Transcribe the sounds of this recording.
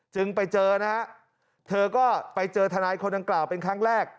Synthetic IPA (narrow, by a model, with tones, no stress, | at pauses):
t͡ɕɯ˧ŋpa˧jt͡ɕɤː˧na˦˥ | t̪ʰɤː˧kɔː˥˩pa˧jt͡ɕɤː˧t̪ʰa˧naː˧jkʰo˧nda˧ŋklaː˨˩wpe˧nkʰaː˦˥˩ŋɾɛː˥˩k̚